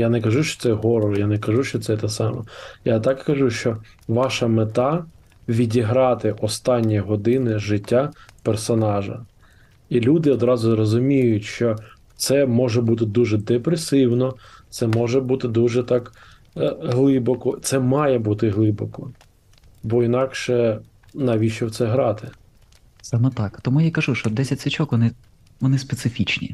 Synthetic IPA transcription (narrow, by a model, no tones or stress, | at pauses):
janɛkɐʒuʃt͡ʃɔ̥t̪sɛɦɔɾɔjanɛkɐʒuʃt͡ʃɔt̪sɛt̪ɛsɑmɔ̰jat̪ɑkkɐʒuʃt͡ʃɔ | ʋɑʃɐmet̪ɑ | ʋʲidʲiɦɾɑt̪ɪʔɔst̪ɑnʲːijɦɔd̪ɪnɪʒɪtʲːapersɔnɑʒɐ̰ | ilʲud̪ɪɔd̪ɾɑzʊzɾɔzʊmʲijʊtʲʃt͡ʃɔ | t̪sɛmɔʒɛbut̪ɪd̪uʒɛd̪epɾesɪwnɔt̪sɛmɔʒɛbut̪ɪd̪uʒɛt̪ɑk | ɦlˠɪbɔkɔt̪sɛmɑjɛbut̪ɪɦlˠɪbɔkɔ | bɔinɑkʃɛ | nɐʋʲiʃɔwt̪sɛɦɾɑt̪ɪ | sɑmɛt̪ɑkt̪ɔmujakɐʒuʃt͡ʃɔd̪ɛsʲɐtʲsʲʋʲit͡ʃɔkʋɔnɪ | ʋɔnɪspesɪfʲit͡ʃnʲḭ